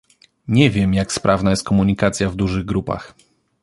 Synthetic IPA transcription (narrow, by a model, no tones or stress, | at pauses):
ɲɛvʲjɛmjakspɾʔavnajɛst̪̚kɔmuɲikat̪sʲjavd̪uʐɘɣɡɾupa̰x